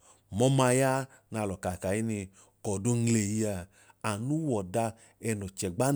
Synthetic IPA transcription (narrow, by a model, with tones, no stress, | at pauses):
mɔ˧˦ma˧ja˦ | na˧lɔ˨ka˨ka˨ji˦ni˧ | kɔ˨do˧ŋ̩˦le˨ji˧a˧ | a˨nu˦wɔ˨da˧ | ɛ˧nɔ˨t͡ʃɛ˨ɡ͡ba˦